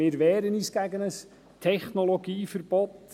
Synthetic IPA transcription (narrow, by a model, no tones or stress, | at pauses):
ɪːɾʋɛːɾənyːsɡ̥æɡənəs | tʰɛχnoloɡiːfəɾb̥ɔt̪